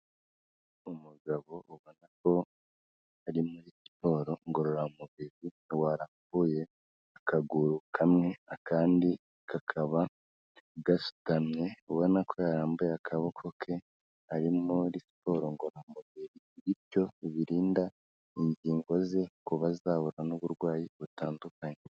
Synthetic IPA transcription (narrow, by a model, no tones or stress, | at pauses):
umuɡaβo̞uβo̞nako̞ | aɾimuɾisi̥po̞ːɾo̞ŋɡo̞ɾo̞ɾaumuβiɾi | waːɾaːmbuje̞ | akaɡuɾukʰamŋe̞akaːndi | kʰakʰaβa | ɡasu̥tamɲe̞uβo̞nakʰo̞jaɾaːmbujakʰaβo̞kʰo̞kʰe̞ | aɾimuɾisi̥po̞ːɾo̞ŋɡo̞ɾamuβiɾi | βiɾjo̞iβiɾiːnda | iɲɟiːŋɡo̞ze̞kuβazaːβuɾanuβuɾɡwaːjiβutaːndukaɲe